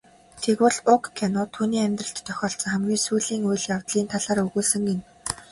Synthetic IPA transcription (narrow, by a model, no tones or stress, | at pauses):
t̪ʰekwʊ̆ɮʊkːʰanɔt̪ʰuːniːæmʲt̪rə̆ɬt̪t̪ʰːœxʲɔːɬt͡sə̆ŋχæmɡʲiːsujɮiːŋujɮjawt̪ɮiːnt̪ʰaɮaːɾɵɣuːsɵ̆ŋɡen